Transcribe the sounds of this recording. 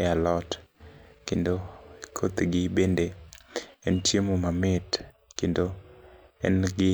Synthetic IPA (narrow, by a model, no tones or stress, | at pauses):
alɔt | kendokʰot̪ɡɪbende | ɛntjemomamɪt | kendo | ɛ̰nɡɪ